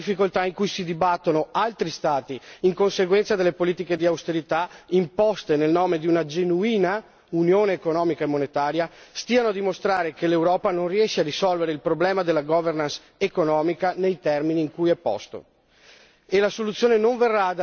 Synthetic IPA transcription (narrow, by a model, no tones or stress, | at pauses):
ifːikolt̪aiŋkujsid̪ibat̪ːonoalt̪ɾist̪aːt̪iːŋkonseɡwɛnt̪sad̪elːepoliːt̪iked̪iawst̪eɾit̪aimpɔst̪enelnɔːmed̪iunad͡ʒenuiːna | unjoːneːkonɔːmikaemːonet̪aːɾjast̪iːanoad̪imost̪ɾaːɾekelewɾɔːpanonriɛʃːeaɾisɔlveɾeilpɾoblɛːmad̪elːaɡɔvernans | ekonɔːmikanejt̪ɛrminiːŋkujɛpːɔ̰st̪o̰ | elasolut̪sːjoːnenoɱverːad̪